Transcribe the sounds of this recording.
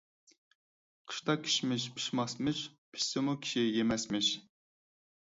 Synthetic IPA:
qʰɨ̥ʃt̪ɑkʲʰi̥ʃmɪʃpʰi̥ʃmɑsmɪʃpʰi̥ʃsɪmukʲʰi̥ʃijemɛsmɪʃ

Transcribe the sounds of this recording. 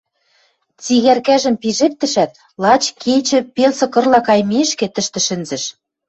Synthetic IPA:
t͡siɣærkæʒə̆mpiʒep̚t̪ə̆ʃæt̪ | lˠɑt͡ɕkʰet͡ɕɘ̆pelsɤ̆kɤ̆rlɑkɑjmeʃket̪ə̆ʃt̪ɘ̆ʃɘ̆nzɘ̆ʃ

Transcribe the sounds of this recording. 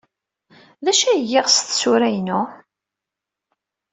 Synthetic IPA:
ðæʃæʝːɪʁst̪sʊɾæjnʊ

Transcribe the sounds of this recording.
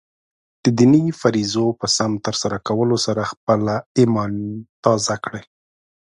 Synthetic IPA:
d̪̥əd̪inifaɾizopəsamt̪əɾsaɾakawəlosaɾaxp̚əlaimɑnt̪ɑzakɽe

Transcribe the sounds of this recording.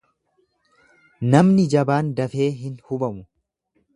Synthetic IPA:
nɐmnɪd͡ʒɐbaːnd̪ɐfe̞ːɦɪnhʊbɐmʊ

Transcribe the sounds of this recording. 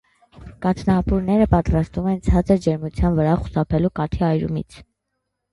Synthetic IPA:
kɑt̪ʰnɑpuɾnɛɾəpɑt̪ɾɑst̪vumɛnt͡sʰɑt͡səɾd͡ʒɛɾmut͡sʰjɑnvəɾɑχu̥sɑpʰɛlukɑt̪ʰiɑjɾṵmḭt͡sʰ

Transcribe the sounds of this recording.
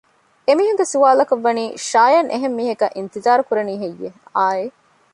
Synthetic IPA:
emiːɦuɡesuʋaːlɐkɐʋːɐniːʃaːjɐnʔeɦemːiːɦɐkɐʔint̪izaːɾukuɾɐniːɦejːeaːe

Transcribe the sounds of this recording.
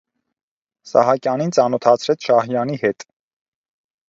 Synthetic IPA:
sɑ̰hɑkjɑnint͡sɑnɔt̪ʰɑt͡sʰɾɛt͡sʰʃɑhjɑnihɛt̪

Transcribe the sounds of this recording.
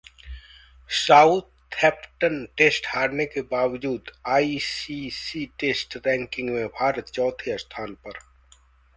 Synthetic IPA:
saːut̪ | ɛːpʈənʈeːsʈhaːɽnekebaːʋd͡ʒuːd̪aːisisiʈeːsʈɾɛ̃ːŋkɪ̃ŋɡmẽbʱaːɾət̪t͡ʃɔːt̪ʰiɐst̪ʰaːnpɐɾ

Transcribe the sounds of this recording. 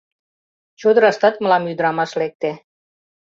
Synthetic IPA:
t͡ɕod̪əɾɑst̪ɑt̪mə̆lɑmjyd̪ɾɑmɑʃlek̚t̪e

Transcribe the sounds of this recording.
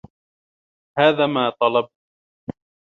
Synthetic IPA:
haːðaːmaːt̪ˤɑlɑb̚

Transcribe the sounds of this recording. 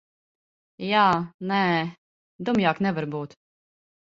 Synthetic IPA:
jaːnɛː | d̪umjaːknɛvaɾbuːt̪

